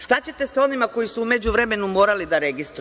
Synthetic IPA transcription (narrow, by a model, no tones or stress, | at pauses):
ʃt̪at͡ɕe̞t̪e̞seo̞nimako̞jisuume̞d͡ʑuʋɾeme̞numo̞ːɾalid̪aɾe̞ɡist̪ɾu